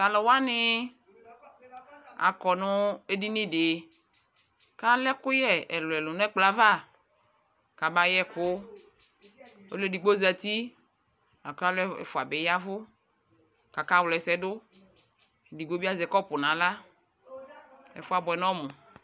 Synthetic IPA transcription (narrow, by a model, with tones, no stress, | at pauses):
ta˨lɔ˨wa˦nɪ˦ | a̰˨kɔ˨nʊ˦e˦di˦nɪ˦dɪ˨˦ | ka˦lɛ˦kʊ˦jɛ˦ɛ˨lʊ˨ɛ˨lʊ˨nʊ̃˦ɛ˦k͡pla˨va˦˨ | ka˨ba˨jɛ˦kʊ˦ | o̰˦le˦di˨ɡ͡bo˦za˨t̪i˦ | a˨ka˦lɛ˦ɛ̰˨fʊ˨a˨bɛ˨˦ja˦vʊ˦ | ka˨ka˦˨wlɛ˨sɛ˨dʊ˦˨ | di˨ɡ͡bo˦bi˦a˦zɛ˨kɔ˦pʊ˨nã˨la˦ | ɛ̰˨fʊ˦a˨bɔ˨ɛ˨nɔ̃˦mʊ̃˨